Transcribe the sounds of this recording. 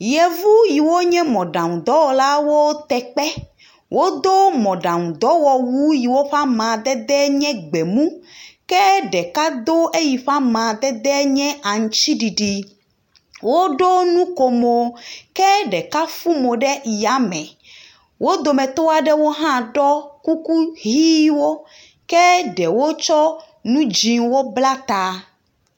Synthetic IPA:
jɛ˨vu˦ji˨wo˦ɲɛ̃˦mɔ̃˨ɖã˨ŋũ˨d̪ɔ˦wɔ˨la˦wo˦t̪ɛ˨k͡pɛ˦ | wʔo˦d̪o˦mɔ̃˨ɖã˨ŋũ˨d̪ɔ˨˦wɔ˨wu˦ji˨wo˦ɸa˦mã˨d̪ɛ˦d̪ɛ˦ɲɛ̃˦ɡ͡bɛ˨mũ˦kɛ˦ɖɛ˨ka˦d̪o˦ʔe˦ji˨ɸa˦mã˨d̪ɛ˦d̪ɛ˦ɲɛ̃˦ʔa˨ŋũ˨t͡ɕi˦ɖi˨ɖi˨ | wo˦ɖo˦nũ˦ko˨mo˨kɛ˦ɖɛ˨ka˦fu˦mo˨ɖɛ˦ji˨a˨mɛ̃˨ | wo˦d̪o˨mɛ̃˨t̪o˦a˨ɖɛ˦wo˦ɦã˦ɖɔ˦ku˦ku˦ɦi˦wo˦ | kɛ˦ɖɛ˨wo˦t͡ʃɔ˦ | nũ˦d͡ʒi˨wo˦bla˦t̪a˦

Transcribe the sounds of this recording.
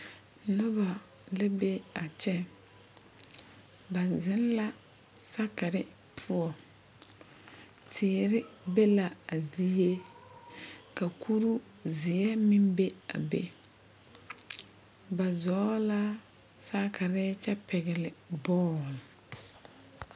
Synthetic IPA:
nʊ˦ba˨lɪ˦be˦a˨t͡ʃɛ˦ | ba˨zɪ̃˦n˦la˦ | sa˦ka˨ɾɪ˦pʰʊ˦ɔ˨ | tʰɪː˨ɾɪ˦be˦la˨a˨zi˦je˦ | ka˨kʰu˦ɾu˦zɪ˨ɛ˦mĩ˦mbe˦a̰˨bḛ˦ | ba˨zɔː˨˦la˦ | sa˦kʰa˨ɾɪ˦t͡ʃɛ˦pʰɛ˨ɡɛ˨lɪ˨bɔː˦˨l

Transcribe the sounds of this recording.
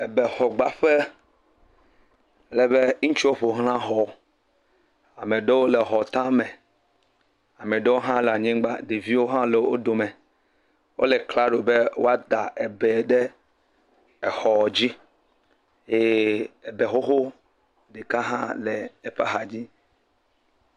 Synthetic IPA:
e˨bɛ˨xɔ˨ɡ͡ba˨ɸe˦ | ɛ˦lɛ˨βe˦ŋũ˦t͡ʃwo˦ɸo˨ɦl̃ã˦ɦɔ˨˦ | a˨mẽ˨ɖe˦wo˦le˨ɦɔ˨t̪ã˦mẽ˨ | a˨mẽ˨ɖe˦wo˦ɦã˦lɛ˨a˨ɲẽ˦ɡ͡ba˦d̪e˨vi˦wo˦ɦã˦le˨wo˦d̪o˨mɛ̃˨ | wo̰˦le˨kla˦ɖo˨be˦wo˦a˦d̪a˨ʔe˨bɛ˨ɖe˦ | ɛ˨xɔ˨d͡ʑi˦ | je˦e˨be˨xo˦xo˦ | ɖe˨ka˦ɦã̰˦lɛ˨e˨pa̰˦ɦa˨d͡ʑi˦

